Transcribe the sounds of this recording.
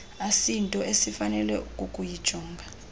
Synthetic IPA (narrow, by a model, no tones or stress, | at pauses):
asintʼɔesifanɛlɛukʼukʼujid̥ʒ̥ʱɔːŋɡʱa